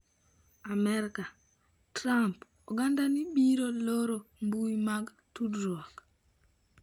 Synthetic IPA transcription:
amɛɾka | tɾamp | ɔɡandanɪbiɾoloɾombuimaɡ | tudɾwɔk

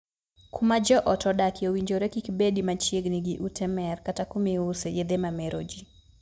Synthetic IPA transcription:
kʰumad͡ʒɔʔɔtɔdakiowiɲd͡ʒoɾɛkikibedimat͡ʃjeɡniɡiʔutɛmɛrkatakumiusejed̪emamɛɾʔod͡ʒi

